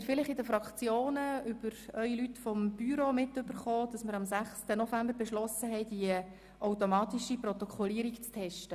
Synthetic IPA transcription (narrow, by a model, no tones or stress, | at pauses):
tfɪlɪχɪdəfɾɑkt͡sjoːnəʏb̥əɾœʏilytfɔmb̥yɾomɪtʏbəɾχoːd̥ɑsməɾɑmsæχstənɔfæmbəɾbɛʃlɔsəɦɛɪd̥iə | ʔawtɔmɑːtiʃiprɔt̪ɔkʰɔliəɾikt͡stʰɛʃtə